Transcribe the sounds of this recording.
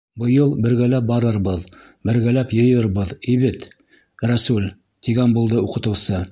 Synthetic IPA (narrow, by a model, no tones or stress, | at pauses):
bɤ̆jɤlˠbɘ̆ɾɡælæp̚bɑɾɤɾβɤð | bɘ̆ɾɡælæpjɤ̆jɤɾβɤðiβɘt̪ | ræsulʲ | t̪iɡænbulˠd̪ɤuqɤ̆t̪ɤ̆wsɤ